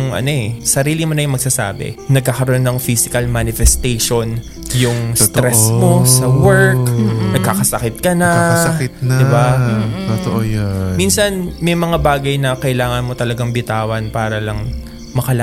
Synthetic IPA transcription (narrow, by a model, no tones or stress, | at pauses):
ŋʔɐ̰no̞ʔɛsɐɾiːlɪmonɐjʊŋmɐɡ̚saːsa̰ːbɛ̰nɐɡ̚kakɐɾʔonːɐŋfisɪkɐlmanɪfɛst̪ejʃon | jʊŋst̪ɾɛsmosɐwɛɹknɐɡ̚kakɐsɐkɪt̪̚kɐnɐɪtnd̪ɪbaot̪oʔojminsɐnmɐjmɐŋabaːɡɐjnɐkɐʔɪlaːŋɐnmo̞t̪ɐlɐɡaŋbɪt̪aːwɐnpaːɾɐlɐŋ | mɐkɐla